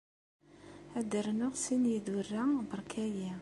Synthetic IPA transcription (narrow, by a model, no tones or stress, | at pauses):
æd̪əɾnʊʁsinjid̪urːæbəɾˤkʰæji